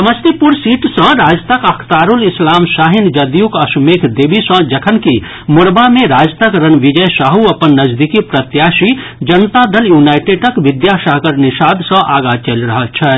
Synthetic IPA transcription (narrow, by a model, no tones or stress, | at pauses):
sɐməst̪ipuɾsiːʈsə̃ɾaːd͡ʒt̪əkɐkʰt̪aːɾulɪslaːmsaːɦɪnd͡ʒɐd̪jukɐsmeːkʰd̪eːbisə̃d͡ʒɐkʰənki | mʊɽbamẽɾaːd͡ʒt̪əkɾənʋɪd͡ʒəjsaːɦuɐpənːɐd͡ʒd̪ikipɾɐt̪jaːʃi | d͡ʒɐnt̪ad̪ɐljuːnaːɪʈeʈəkʋɪd̪jaʃaɦɡəɾnɪʃaːd̪sə̃ʔaːɡat͡ʃelɾɐɦət͡ʃʰɛ